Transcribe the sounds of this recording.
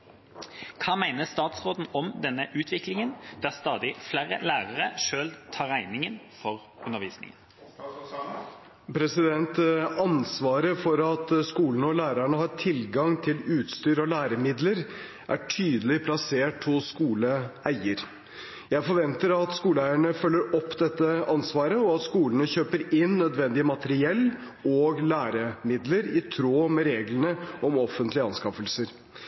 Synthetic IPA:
kʰɑːmæɪnəst̪ɑːt̪sʁoːd̪n̩ɔmd̪ɛnːəʔʉːt̪ʰʋɪklɪŋənd̪̥æʁst̪ɑːd̪ɪflæːɾə̰læːʁəʁəʂøːlt̪ʰɑːʁæɪnɪŋən | fɔʁ | ʉnəʁʋiːsnɪ̰ŋən | pʰɾɛsɪd̪ɛnt̪ɑnsʋɑːɾəfɔɾɑt̪skuːln̩ɔlæːɾəɳəhɑɾʈʰɪlɡɑŋt̪ʰɪlʉːt̪st̪yːɾɔlæːɾəmɪd̪ləɾ | ʔæ̰ʈʰyːd̪əlɪpʰlɑseːʈ̚pʰɔskuːləæɪəɾ | jæɪfɔɾʋɛnt̪əɾɑt̪skuːləæɪəɳəfœlːəɾɔpːd̪ɛt̪ːəɑnsʋɑːɾəɔɑt̪skuːlənəçøːpəɾɪnːœd̪ʋɛnd̪ɪəmɑt̪əɾɪɛlː | oːɡlæːɾəmɪd̪ləɾɪt̪ʰɾoːmɛɾeːɡlənəɔmɔfːənt̪lɪəɑnskɑfəlsəɾ

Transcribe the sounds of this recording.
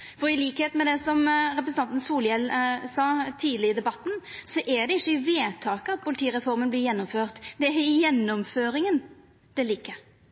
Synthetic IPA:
fɔɾɪliːkheːt̪mɛd̪ɛsɔmɾɛpɾsn̩ɑnt̪n̩suːljɛlsɑːt̪ʰiːd̪lɪəd̪ɛbɑt̪ːn̩sɔʔɛd̪ɛɪçːəɪʋeːt̪ʰɑːkəɑt̪̚pʰʊlɪt̪ʰiːɾɛfɔɾmənb̪lɪɾjɛnːɔmføːʁt̪d̪ɛæɪjɛnːɔmføːɾɪŋən | d̪̥ɛliːkə

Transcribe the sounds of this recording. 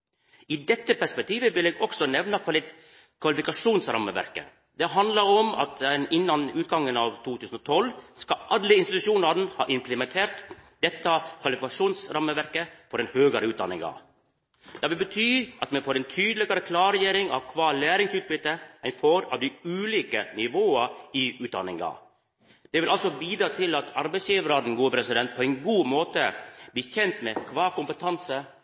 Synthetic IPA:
iːd̪ɛt̪ːəpæʂpɛk̚t̪ʰiːʋəʋɪleːɡɔksɔnɛʋnɑkʰɑlɪ | kʰʋɑlɪfɪkɑʂuːnsɾɑ̰mːə̰ʋæ̰ɾkə̰ | d̪ɛɦɑnd̪lɑɾɔmɑ̰t̪ɛnɪnːɑnʉːt̪ɡɑŋːənɑːʋt̪ʰuːt̪ʰʉːsn̩ɔːt̪ʰɔlskɑʔɑlːəɪnst̪ɪt̪ʉʂuːnɑɾn̩hɑ̰ːʔɪmpʰləmɛnt̪ʰeːɾt̪d̪̥ɛt̪ːɑkʰʋɑlɪfɪkɑʂuːnsɾɑməʋæɾkəfɔɾɛnhøːɡəɾəʉːt̪d̪ɑ̰nɪ̰ŋɑ̰ | d̪̥ɑːʋɪlbət̪ʰyːʔɑt̪mɛnfoːɾɛːnt̪ʰyːd̪əlɪɡɑɾəkʰlɑːɾjeːɾɪŋɑ̰ʋkʰʋɑːlæːɾɪŋsʉːt̪̚bʏt̪ːəæɪnfoːɾɑ̰ʋd̪ɪʉːliːkənɪʋoːəɪʉːt̪̚d̪ɑ̰nɪ̰ŋɑ̰ | d̪̥ɛʋɪlʔɑlsɔbiːd̪ɾɑːt̪ʰɪlɑt̪ʰɑɾbɛɪsjiːʋəɾɑːd̪n̩ɡuːəpʰɾɛsɪd̪ɛnt̪̚pʰɔːɛɪnɡuːmoːt̪əb̥liːçɛnt̪meːkʰʋɑːkʊmpət̪ʰɑnsə

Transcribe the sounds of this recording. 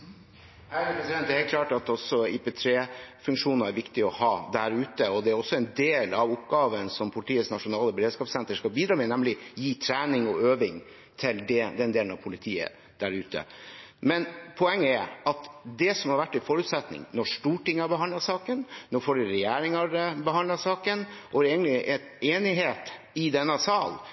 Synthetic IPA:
æəpʰɾɛsɪd̪ɛnd̪ɛhɛːlkʰlɑːʈɑt̪ɔsɔɪpɛːt̪ʰɾeːfʉŋkʂuːnəɾæɾʋɪkt̪ɪɔhɑːd̪æɾʉːt̪əɔd̪ɛæɾɔsːɔɛnd̪eːlɑʋʊpɡɑːʋənsɔmpʰʊlɪt̪iːəsnɑʂʊnɑːləbɛɾeːd̪ʂkɑːpsɛnt̪əʂkɑbiːd̪ɾɑːmɛnɛmlɪjiːt̪ʰɾæːnɪŋɔøːʋɪŋ | t̪ʰɪld̪ɛd̪ɛnd̪eːlənɑʋpʰʊlɪt̪ʰiːə̰ | d̪̥æɾʉːt̪ə̰ | mɛnpʰɔɛŋːəæɑt̪d̪ɛsɔmhɑɾʋæʈːɪfɔɾʉːt̪sɛt̪nɪ̰ŋnɔʂʈuːʈɪŋːəɑbəɦɑndlɑsɑːkənnoːfoːɖʉɾɛjæːɾɪŋɑɾbəɦɑnlɑsɑːkənʔɔɾeːɡənlɪʔɛ | eːnɪɦeːt̪ | ɪd̪ɛnːəsɑːl

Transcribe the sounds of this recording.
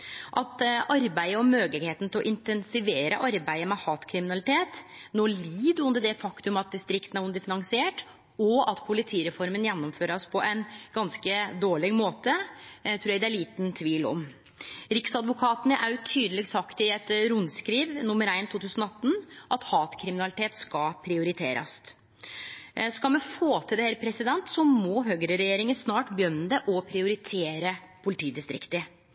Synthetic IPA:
ʔɑt̪ʔɑɾbæɪəɔmmːøːɡəlɪɡheːt̪n̩t̪ʰɪlɔ̰ʔɪnt̪ɛnsɪʋeːɾə̰ʔɑɾbæɪəmɛhɑːt̪kʰɾɪmɪnɑlɪt̪ʰeːt̪noːliːd̪ʉnd̪əɖɛfɑkt̪ʉmɑt̪̚d̪ɪst̪ɾɪkt̪ən̩æɾʊnd̪əfɪnɑŋsɪeːʈ | ɔɑt̪pʰʊlɪt̪ʰiːɾɛfɔɾmənjɛnːɔmføːɾəɔspʰɔʔæɪnɡ̥ɑnskəd̪oːɭɪɡmoːt̪ət̪ʰɾuːɾjɛɡd̪æɭiːt̪nt̪ʰʋiːlɔ̰m | ɾɪksɑd̪ʋʊkʰɑːt̪ənəʔæjt̪ʰyːd̪əlɛɡsɑkt̪ɪɛt̪ɾʊnskɾiːʋnʊmːəɾæɪnt̪ʰuːt̪ʉːsənɔɑt̪ːn̩ʔɑt̪hɑːt̪kʰɾɪmɪnɑlɪt̪ʰeːt̪skɑpʰɾɪʊɾɪt̪ʰeːɾʔɑ̰s | skɑlmɛnfoːt̪ʰɪld̪ɛɛɾpʰɾɛsɪd̪ɛnt̪sɔmɔɦøɡəɾəɾɛjeːɾɪŋənsnɑːʈbjœnːəd̪ɛʔɔpʰɾɪʊɾɪt̪ʰeːɾəpʰʊlɪt̪ʰiːd̪ɪst̪ɾɪ̰kt̪ɪ

